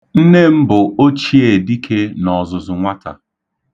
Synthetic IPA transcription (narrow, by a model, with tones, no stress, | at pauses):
n̩˦ne˦m̩˦bʊ˨o˦t͡ʃi˦e˨di˦kʰe˦nɔ˨zʊ˨zʊ˨ŋʷa˦tʰa̰˨